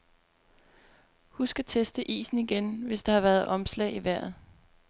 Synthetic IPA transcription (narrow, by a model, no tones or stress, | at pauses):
husɡ̥æt͡sʰesd̥əʔḭːsn̩iɡ̥enʋe̝sd̥ɑ̈hɑ̈ʋæɐð̩ˠɒ̽mslɛ̰ːiʋæɐ̰ð̩ˠ